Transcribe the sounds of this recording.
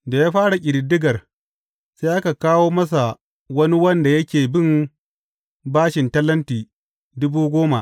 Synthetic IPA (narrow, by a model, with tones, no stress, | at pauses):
da˨jaː˦ɸaː˦ɽa˨kʲʼɪ˨ɾɪ˨dːɪ˦ɡɐ˨r | se˦ʔa˦ka˨kaː˦woː˦mɐ˦s̬a˨ | wɐ˦ni˦wɐ˦nda˨jɐ˦kʲeː˨bɪ˦m | baː˦ʃɪ˨ntɐ˦lːɐ˦ntiː˨ | dʊ˦buː˦ɡʷoː˦ma˨ʔ